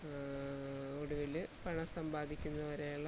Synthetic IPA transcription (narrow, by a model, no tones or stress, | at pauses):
oɽuʋilɨpɐɳɐsɐmbaːd̪ʱikʲːunːɐʋɐɾejuɭːɐ